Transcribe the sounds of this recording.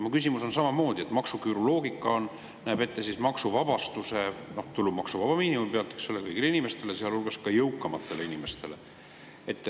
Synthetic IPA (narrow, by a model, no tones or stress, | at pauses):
mukys̬ʲimuso̞nsɑmɑmo̞ːd̪ʲie̞t̪ˑmɑksukyɾolo̞ːɡikːˑɑo̞nː | æːb̥e̞t̪ːesismɑksuvɑbɑst̪use̞no̞ht̪ulːub̥mɑksuvɑb̥ɑmiːnimumpeɑt̪ːˑeksolːekɤjɡ̥ileinʲime̞st̪e̞leseɑlulɡ̥ɑskɑjɤwkˑːɑmɑt̪ˑːe̞leinime̞st̪e̞le̞̰ | e̞t̪ːˑ